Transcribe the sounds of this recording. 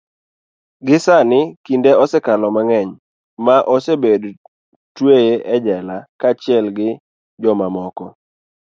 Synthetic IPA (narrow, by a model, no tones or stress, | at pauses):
ɡɪsanɪkindeɔsɛkalɔmaŋɛɲ | maʔɔsebed | twejeʔɛd͡ʒɛlakat͡ʃɪɛlɡɪ | d͡ʒɔmamɔkɔ